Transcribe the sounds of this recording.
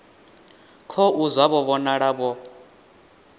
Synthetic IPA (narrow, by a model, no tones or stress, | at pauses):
kʰɔʔuzwaβɔβɔnaɺaβɔ